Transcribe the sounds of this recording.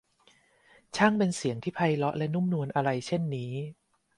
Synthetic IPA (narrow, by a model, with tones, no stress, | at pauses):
t͡ɕʰa˥˩ŋpe˧nsi˨˩˦əŋt̪ʰiː˥˩pʰa˧jlɔ˦˥ʔlɛ˦˥nu˦˥˩mnu˧ənʔa˧ɾa˧jt͡ɕʰe˥˩nːiː˦˥